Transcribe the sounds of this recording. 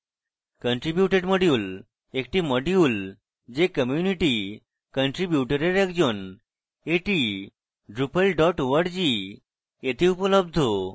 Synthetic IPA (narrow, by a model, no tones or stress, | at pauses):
kəɳʈɾibjuʈeɖməɽjuːl | ek̚ʈiməɽjuːl | d͡ʑekəmjuniʈi | kəɳʈɾibjuʈəɾeɾekd͡ʑon | eʈi | ɖɾupəlɖɔʈʋəɽd͡ʑi | et̪ʰiupələb̚d̪ʱo